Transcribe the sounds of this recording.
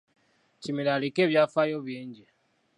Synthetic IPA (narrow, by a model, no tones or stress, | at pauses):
cimilalikeːβjafajoβjiːɲɟe